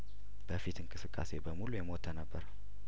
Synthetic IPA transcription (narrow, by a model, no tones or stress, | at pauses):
b̥əfit̪ʰɨnkʰʼɨsɨkʼːa̰se̞bəmulujɛmot̪ʰənəbːəɾ